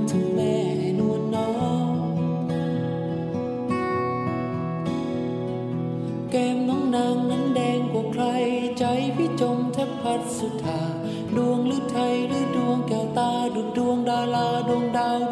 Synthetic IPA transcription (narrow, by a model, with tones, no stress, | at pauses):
t̪ʰɯ˨˦ŋmɛː˧˩ | nu˧ənːɔː˧˦˥ | kɛː˧mnɔː˨˦˥ŋna˧˥ŋna˧˥ndɛː˧ŋkwa˨˩kʰla˧jt͡ɕa˧˥jpʰiː˧˥˩t͡ɕo˧mt͡ɕ̪ʰa˦˥t̚pʰa˧˥t̪̚su˨˧˥t̪ʰːaː˨˩ | du˧əŋlɯ˦˥˩t̪ʰa˧jɾɯː˧˥˩du˧əŋkɛː˨˩t̪aː˧du˨˩t̪̚du˧əŋdaː˧laː˧du˧əŋdaː˧n